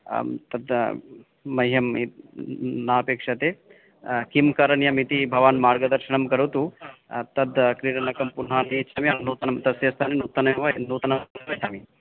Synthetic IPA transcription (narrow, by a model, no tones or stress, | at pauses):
t̪ɐd̪ | mɐjjɐmi | naːpeːkʂɐt̪eː | kimkɐɾɐɳjɐmit̪ibʱɐʋaːnmaːɾɡɐd̪ɐɾʃiɳɐmkɐɾut̪ut̪ɐd̪kɾiːɾɐnɐkɐmpun̤ɦaːniːt͡ʃʰaːmiɐnuːt̪ɐnɐmt̪ɐsjɐst̪ʰaːnenuːt̪ɐnʋnuːt̪ɐnɐʋɐt͡ʃʰaːmi